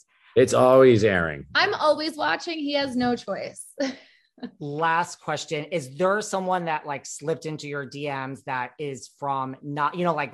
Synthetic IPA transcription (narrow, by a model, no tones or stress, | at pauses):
ɪtsɔlˠwizɛɹɪ̰̃ŋãɪ̃mɔlˠwizwɑt͡ʃɪ̃ŋiɨznoʊt͡ʃʰɔɪs | læstkʰw̥ɛst͡ʃɨ̃nɪzðə˞sʌ̃mwʌ̃nðɨʔlaɪkslɪp̚tɪ̃ntʉjə˞diɛ̃mzðɨɾɪz̥fɹʌ̃mnəʔjɨñoʊlaɪk